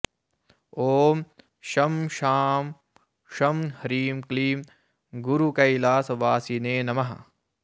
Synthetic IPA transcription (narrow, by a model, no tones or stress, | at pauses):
oːm | ʃɐmʃaːm | ʃɐmhɐɾiːmkliːm | ɡuɾukɐjlaːsɐʋaːsineːnɐmɐɦɐ̰